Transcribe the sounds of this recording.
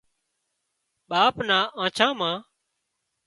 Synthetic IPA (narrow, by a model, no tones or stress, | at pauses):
ɓaːpnaːʔãːt͡ʃʰãːmãː